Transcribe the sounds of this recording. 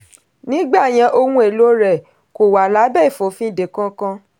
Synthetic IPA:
nĩ˦ɡ͡ba˦˨j̃ã˧ʔo˧ŋũ˦e˦˨lo˨˦ɾɛ˦˨ | ko˨wa˨la˨˦bɛ˦˨i˦˨fo˨˦fĩ˦˨de˨kã˦kã˦˧

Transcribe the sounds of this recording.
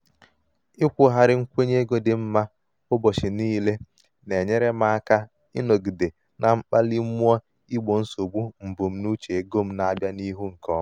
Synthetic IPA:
ɪ˦kʷʊ˨ɦa˨ɾɪ˦ŋ̩˦kʷe˦ɲe˦ɡo˦dɪ˨m̩˦ma˦ | ʊ˦bɔ˨t͡ʃɪ˨niː˦le˦ | ne˨ɲe˦ɾe˦ma˦a˦ka˦ | ɪ˦no˨ɡi˨de˨ | na˨ŋ͡m̩˦k͡pa˦li˦m̩˦mu˦ɔ˦ | i˦ɡ͡bo˨n̩˦so˨ɡ͡bu˦m̩˨bu˨m̩˦nu˦t͡ʃe˨e˦ɡo˦m̩˦na˦bja˦ni˦ɦu˦ŋ̩˨kʰɔ˦

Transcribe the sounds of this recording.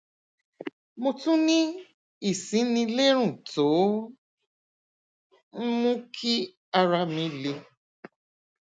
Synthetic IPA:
mo˧tũ˦nĩ˦ | i˦˨sĩ˨˦nĩ˧le˦ɾ̃ũ˦˨to˨˦ | m̩˦mũ˦kʰi˦ | a˧ɾa˧mĩ˨˧le˧

